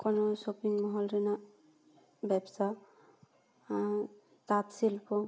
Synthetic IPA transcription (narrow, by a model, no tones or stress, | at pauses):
kɔnɔsopiŋmɔɦɔlɾina | bɛbsa | tat̪silpɔ